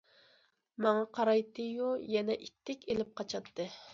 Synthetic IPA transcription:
mɑŋɑqʰɑɾɑjt̪ɨjojɛnɛʔit̪ʰːɪkʲelɪp̚qʰɑt͡ʃʰɑt̪ʰːɨ

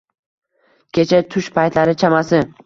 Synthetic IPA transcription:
kʲʰe̞t͡ʃʰat̪ʰʊʃpʰajt̪ʰlaɾɪt͡ʃʰamasɪ

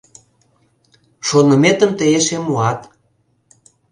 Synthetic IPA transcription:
ʃonə̆met̪əmt̪əeʃemuɑt̪

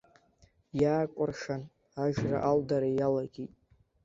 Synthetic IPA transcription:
jaːkʷʼʊrʂan | aʒra̰ʔaldaɾajalaɡʲitʼ

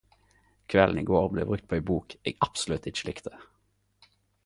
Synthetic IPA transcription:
kʰʋɛln̩ḭːɡoːʁblḛːbʁʉk̚t̪̚pʰoːeɪbuːkḛːɡʔɑpsʊlʉt̪ɪt͡ʃəlɪkt̪ʰə̥

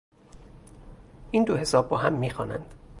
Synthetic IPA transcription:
ʔiːnd̪ohe̞sɒːb̚ːɒːɦæmːiːxɒ̰ːnæ̰nd̪̥

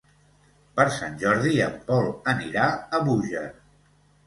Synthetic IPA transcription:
pəɾsanʲʒɔɾðiəmbɔlˠəniɾaəβuʒə

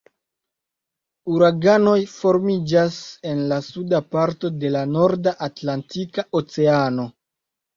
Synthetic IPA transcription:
uɾaɡano̞jfo̞ɾmid͡ʒase̞nlasudapaɾto̞de̞lano̞ɾdaʔatlantikaot͡se̞ano̞

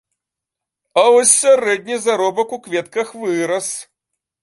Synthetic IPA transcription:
ɐvɔsʲːaɾɛd̪ʲnʲizaɾɔbɐkukvʲɛt̪kɐxvɨɾɐs

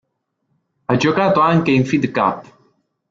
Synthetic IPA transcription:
ad͡ʒokaːt̪oaŋkeiɱfid̪ka̰pː

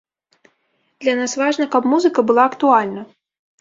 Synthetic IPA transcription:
d̪̥lʲanasvaʐnɐkɐpmuzɨkɐbɨlˠaɐkt̪ualʲnɐ

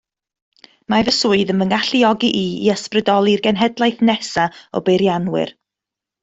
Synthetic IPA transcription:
mavəsuɨðənvənɡaɬiɔɡiʔiḭəsprədɔlˠirɡɛnɦɛdlˠajθnɛsaɔ̰bejɾjanwɪ̰r

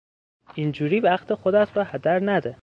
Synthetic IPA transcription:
ind͡ʒuːɾiːvæxt̪ʰexod̪æt̪bæhæd̪æɾnæd̪e

